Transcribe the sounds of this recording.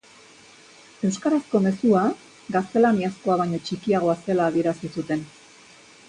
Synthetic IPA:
e̞wskaɾasko̞me̞sua | ɡast̪e̞laniasko̞aβ̞aɲo̞t͡ʃikiaɣ̞o̞ase̞laːβie̞ɾasisut̪e̞n

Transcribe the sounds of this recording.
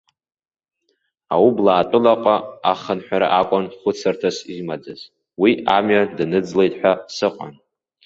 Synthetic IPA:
awublaːtʼʊlaqʷʼaaχənħʷᶣaɾaʔakʷʼanχʷʊt͡sʰartʰasimad͡zaz̥ | wiamɥadnɨd͡zlejtʼħʷᶣasɨqʷʼa̰n

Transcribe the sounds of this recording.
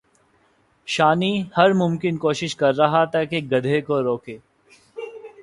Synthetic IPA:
ʃaːnihɐɾmʊmkɪnkoːʃɪʃkɐɾːɐɦat̪ɐkeɡɐd̪ʱekoɾoːkeː

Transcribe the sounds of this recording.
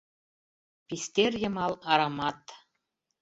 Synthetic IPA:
pʲisʲt̪ʲerjɤ̆mɑlˠɑɾɑmɑt̪

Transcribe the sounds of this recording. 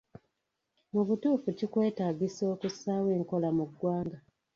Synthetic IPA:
muβutuːfucikwe̞ːtaːɟiso̞ːkusaːwe̞ːŋko̞lamuɡwaːŋɡa

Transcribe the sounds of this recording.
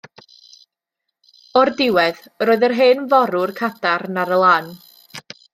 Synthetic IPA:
ɔrdɪwɛð | roːɨðərɦeːnvɔɾʊrkʰatʰarnaɾəlˠaːn

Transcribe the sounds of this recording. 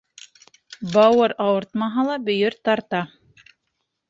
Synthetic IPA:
bɑwɤɾɑwɤɾt̪mɑɦɑlˠɑbɵ̆jɵɾt̪ɑɾt̪ɑ

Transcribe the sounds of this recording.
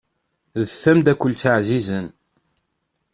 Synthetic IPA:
ðəθːæmd̪ækʷːəlt͡s̪ːaʕzizən

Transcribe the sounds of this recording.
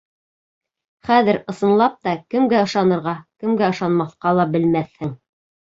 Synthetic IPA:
χæðɘɾɤ̆sɤ̆nlˠɑp̚t̪ɑkɘ̆mɡæɤ̆ʃɑnɤ̆ɾʁɑkɘ̆mɡæɤ̆ʃɑnmɑθqɑlˠɑbɘ̆lmæθhɘŋ

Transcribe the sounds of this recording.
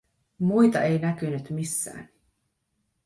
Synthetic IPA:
mujt̪ɑe̞jnækynyt̪misːæ̰ːn

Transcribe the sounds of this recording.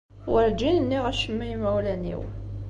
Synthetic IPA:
wəɾd͡ʒinənːiʁæʃəmːijmæwlænḭw

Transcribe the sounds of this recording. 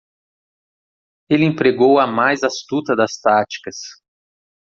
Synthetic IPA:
elẽpɾeɡowɐmajzast̪ut̪ɐd̪ɐst̪at͡ʃi̥kɐs

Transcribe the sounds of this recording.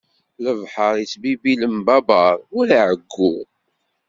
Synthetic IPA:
ləvħəɾˤit͡sbibiləmbɑbɑɾˤʊlaʕəɡːu

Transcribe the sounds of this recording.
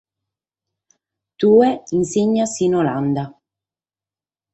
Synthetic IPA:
t̪uːeinsiɲːasinoland̪a

